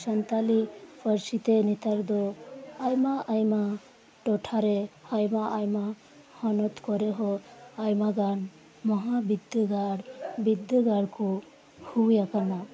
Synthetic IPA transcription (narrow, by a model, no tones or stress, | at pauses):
sənt̪alipʰəɾsit̪enit̪aɾd̪ɔajmaʔajma | ʈɔʈʰaɾeajmaajma | hɔnɔt̪kɔɾeɦɔajmaɡan | mɔɦabid̪jɔɡaɽbid̪ɔɡaɽkɔ | huwjakana